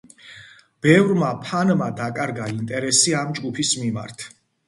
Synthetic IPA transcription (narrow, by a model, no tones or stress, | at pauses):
b̥ɛvɾmapʰanmad̪akʼaɾɡaint̪ʼɛɾɛsiamd͡ʒɡupʰismima̰ɾt̪ʰ